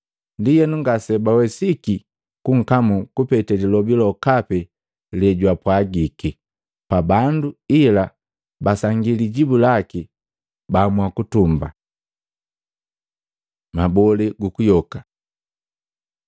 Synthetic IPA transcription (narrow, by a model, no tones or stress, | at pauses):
ndijɛnuŋɡasɛbawɛsiki | kuŋ̩kamukupɛtɛlilɔbilɔkapɛ | ljɛɟwapwaɡiki | pabanduila | basaŋɡiliɟibulaki | bamwakutumba̰ | mabɔliɡukujɔka